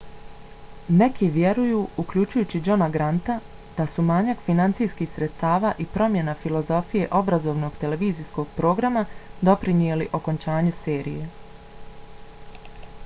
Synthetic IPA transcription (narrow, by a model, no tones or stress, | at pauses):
ne̞kiʋje̞ɾujuukʎut͡ʃujuːt͡ɕid͡ʒo̞naɡɾant̪a | d̪̥asumaːɲakfinant̪sijskixsɾet̪st̪aːʋaːʔipɾo̞mje̞nafilˠo̞zo̞fije̞ʔo̞bɾazo̞ːʋno̞ɡ̥t̪e̞le̞ʋiːzisko̞ɡ̥pɾo̞ːɡɾamad̪o̞pɾinie̞liʔo̞ko̞nt͡ʃaːɲuse̞ːɾḭje̞